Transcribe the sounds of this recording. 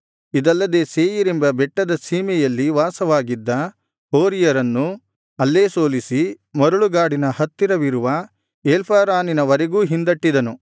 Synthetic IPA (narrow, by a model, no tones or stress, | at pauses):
id̪ɐlːɐd̪e̞ːseːjiɾembɐbɛʈːɐd̪ɐsiːmɛjɐlːiʋaːsɐʋaːɡid̪ːɐ | oːɾijɐɾɐnːu | ɐlːeːsoːlisi | mɐɾɐɭuɡaːɽinɐhɐt̪ːiɾɐʋiɾuʋɐ | elpʰaːɾaːninɐʋɐɾeɡuːɦind̪ɐʈːid̪ɐnu